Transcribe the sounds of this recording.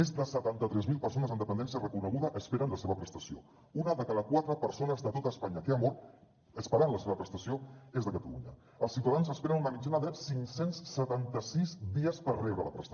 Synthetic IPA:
mezðəsət̪ant̪ət̪ɾɛzmilˠpərsonəzənd̪əpənd̪ɛns̬iərəkunəɣuðəʔəspeɾənləseβəpɾəst̪əsio̰ | unəðəkaðəkwat̪ɾəpəɾsonəzðət̪ot̪əspaɲəkeamɔɾt̪ | əspəɾanləseβəpɾəst̪əsioezðəkət̪əlṵɲə | əlˠsiwt̪aðanzəspeɾənunəmid͡ʒanəðəsiŋsensːət̪ant̪əsizd̪iəspərrɛβɾələpɾə̰st̪

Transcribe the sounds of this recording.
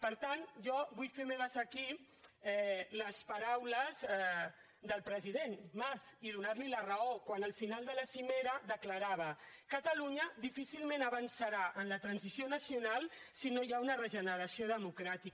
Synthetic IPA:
pəɾt̪anʒɔβujfemɛβəzəki | ɛləspaɾawləz | d̪əlˠpɾəziðenmaziðunaɾlilərəokwanəlˠfinalˠd̪ələsimeɾəðəkləɾaβ̞ə | kət̪əluɲəd̪ifisilmenəβənsaɾaʔənlət̪ɾənzisionəsiunalˠsinojaunərəʒənəɾəsioðəmukɾat̪i

